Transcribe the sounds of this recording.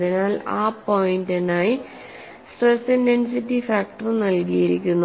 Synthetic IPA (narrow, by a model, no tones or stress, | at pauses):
inaːlaːpojindɐnaːji | sʈesenensitːifaːk̚ʈɐrnɐlkijiɾḭkʲːunːu